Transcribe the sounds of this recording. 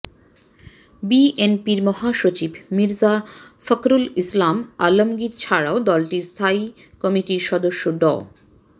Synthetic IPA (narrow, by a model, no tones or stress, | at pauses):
biʔenpiɾmɔɦaʃot͡ɕibmiɾzafəkɾulislamalomɡiɾt͡ɕʰaɽaod̪ɔlʈiɾst̪ʰai | kɔmiʈiɾʃɔd̪oʃːoɖɔ̰